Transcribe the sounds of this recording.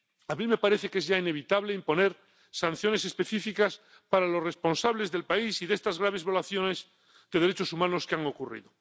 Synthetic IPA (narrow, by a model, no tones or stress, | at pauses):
amime̞paɾe̞θe̞ke̞zʝaine̞βit̪aβleimpo̞ne̞ɾ | sanθjo̞ne̞se̞spe̞θifikas | paɾalo̞sre̞spo̞nsaβle̞zðe̞lpaisiðest̪azɣɾaβ̞e̞zβjo̞laθjo̞ne̞z | ðe̞ðe̞ɾe̞t͡ʃo̞sumãno̞skeaŋo̞kurḭðo